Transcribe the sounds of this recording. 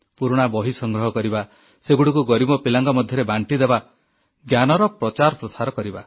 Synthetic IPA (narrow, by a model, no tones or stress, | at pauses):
puɾuɽ̃abɔɦisɔŋɡɾɔɦɔkɔɾiba | seɡuɽikuɡɔɾibɔpilaŋɡɔmɔd̪ʱjɔɾebaɳʈid̪eba | ɡjanɔɾɔpɾɔt͡ʃaɾɔpɾɔsaɾɔkɔɾiba